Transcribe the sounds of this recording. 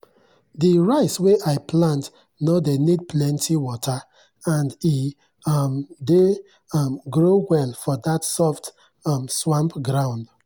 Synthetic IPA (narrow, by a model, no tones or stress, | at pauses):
diɹaɪsweʔaɪplãnt | nodenid̚pʰlɛ̃ntʰiwɔtʰa | ãndi | mde | mɡɹowɛlfɔdatsɔft | mswãmpɡɹãʊ̃nd